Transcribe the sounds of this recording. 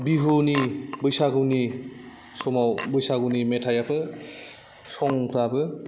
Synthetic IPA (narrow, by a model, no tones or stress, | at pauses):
biɦonibɯjsaɡɯwni | sɔmawbɯjsaɡunimetʰajapʰɯ | sɔŋpʰɾabɯ